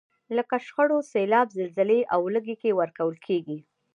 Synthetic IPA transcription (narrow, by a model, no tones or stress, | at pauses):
ləkaʃxəɽoselɑbzəlzɪleʔawləɡekewəɾkawəlkʰeɡi